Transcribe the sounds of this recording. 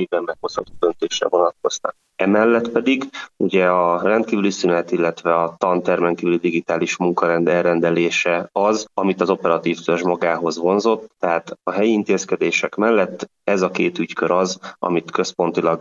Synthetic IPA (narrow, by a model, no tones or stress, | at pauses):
jibɛmːɛɡhoshɒt̪oːd̪ø̞nt̪eːʃrɛ̰vo̞nɒt̪̚ko̞zt̪ɒ̰k̚ | ɛmɛlːɛt̪pɛd̪iɡuɟɛɒrɛnt̪kiːvylisynɛt̪ilːɛt̪ʋɛɒt̪ɒnt̪ɛrmɛnkiːvylid̪iɡit̪aːliʃmuŋkɒɾɛnd̪ɛlrɛnd̪ɛleːʃɛɒzɒmit̪ɒzo̞pɛɾɒt̪iːft̪ørʒmɒɡaːɦo̞zvo̞nzo̞t̪ːɛɦaːt̪ɒɦɛjiint̪eːskɛd̪eːʃɛkmɛlːɛt̪ː | ɛzɒkeːt̪yckøɾɒzɒ̰mit̪kø̞spo̞nt̪ilɒɡ